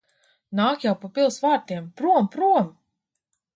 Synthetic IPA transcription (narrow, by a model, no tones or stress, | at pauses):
naːkjawpɔpʲilˠsvaːɾt̪iɛmpɾuɔmpɾuɔm